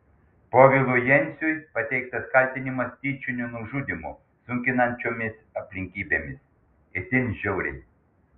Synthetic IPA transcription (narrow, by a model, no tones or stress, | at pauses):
poːʋʲɪlˠʊjɛnʲsʲujpɐt̪ʲɛɪk̚t̪ɐskɐlʲt̪ʲɪnʲɪmɐsʲt̪ʲiːt͡ʃʲʊnʲʊnʊʒuːd̪ʲɪmʊ̰ | sʊŋʲkʲɪnɐnʲt͡ʃʲoːmʲɪsɐpʲlʲɪŋʲkʲiːbʲeːmʲɪs | ɪt̪ʲɪnʲʒʲɛʊɾʲɪ̰nʲ